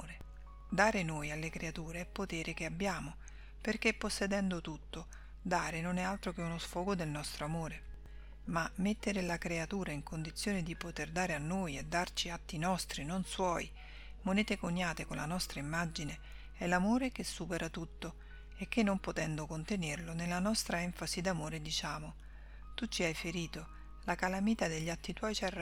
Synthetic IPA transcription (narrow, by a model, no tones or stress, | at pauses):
ɾe | d̪aːɾenoːjalːekɾeat̪uːɾeɛpːot̪eːɾʔekeabːjaːmo | perkepːosːed̪ɛnd̪ot̪ut̪ːo | d̪aːɾenonɛalt̪ɾok̟eunosfɔːɡod̪elnɔst̪ɾoamoːɾe | mamet̪ːeɾelakɾeat̪uːɾaiŋkond̪it̪sːjoːned̪ipot̪erd̪aːɾeanːoːjed̪ːart͡ʃiat̪ːinɔst̪ɾinonswɔːj | moneːt̪ekoɲːaːt̪ekonlanɔst̪ɾaimːad͡ʒine | ɛlamoːɾekesːuːpeɾʔat̪ut̪ːo | ek̟ːenːompot̪ɛnd̪okont̪enerlonelːanɔst̪ɾaɛɱfazid̪amoːɾed̪it͡ʃaːmo | t̪ut͡ʃːiajfeɾiːt̪o | lakalamiːt̪ad̪eʎːat̪ːit̪wɔjt͡ʃar